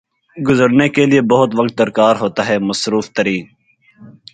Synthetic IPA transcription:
ɡʊzəɾnekeliebɐɦʊt̪ʋək̚t̪̚d̪əɾkaːɾɦoːt̪aɦɛːməsɾuːft̪əɾiː

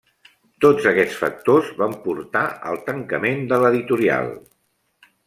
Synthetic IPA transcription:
t̪od͡zəkɛt͡sfə̰k̚t̪ozβampuɾt̪aə̰lˠt̪əŋkəmend̪ələðit̪uɾia̰lˠ

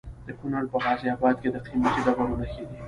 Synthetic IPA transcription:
d̪̥əkʊnaɽpəɣɑziabɑd̪̚ked̪əqʰimat̪id̪abaɾunaked̪i

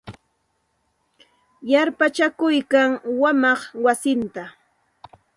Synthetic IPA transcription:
jaɾpat͡ʃakʊjkaŋwamɑχwasɪnt̪a

